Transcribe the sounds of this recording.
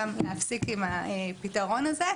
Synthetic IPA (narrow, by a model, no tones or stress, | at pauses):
amleafsikimaepitaʁo̞naze